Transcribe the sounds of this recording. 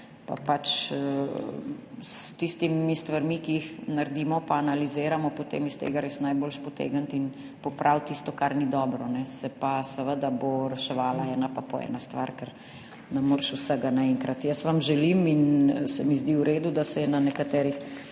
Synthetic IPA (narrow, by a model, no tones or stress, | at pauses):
pa̰pat͡ʃ | st̪ist̪imist̪ʋaɾmikiixnaɾd̪iːmɔpaːnalizeːɾamɔpot̪ḛːmist̪ḛːɡaɾeːsnajbolʃpɔt̪ḛːɡənt̪in | pɔpɾʔawt̪ist̪ɔkaɾnid̪ɔːbɾɔnɛsɛpasəʋəd̪aboɾɛʃɛʋaːlaɛːnapapɔɛ̰ːnast̪ʋaɾkəɾ | nɛmoːɾʃusəɡanaɛŋkɾat̪jəsʋamʒɛliminsɛmizd̪iuɾeːd̪ud̪asɛjɛnanɛkat̪ɛːɾix